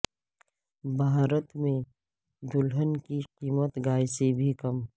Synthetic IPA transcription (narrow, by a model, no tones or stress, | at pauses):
bʱaːɾət̪mẽ | d̪ʊlɦənkiqiːmət̪ɡaːjsebʱikɐm